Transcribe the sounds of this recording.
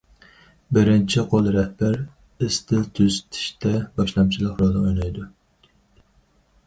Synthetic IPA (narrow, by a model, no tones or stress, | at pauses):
bɪɾɪnt͡ʃʰɪqʰolˠɾɛhbæɾ | ɪst̪ʰɪt̪ʰøzt̪ʰɪ̥ʃt̪ɛbɑʃlˠɑmt͡ʃʰilˠəqɾod̪ɨojlˠɑjd̪u